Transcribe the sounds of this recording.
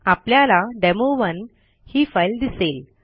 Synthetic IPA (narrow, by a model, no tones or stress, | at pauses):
apljalaɖɛmoʋən | hiːfajld̪isel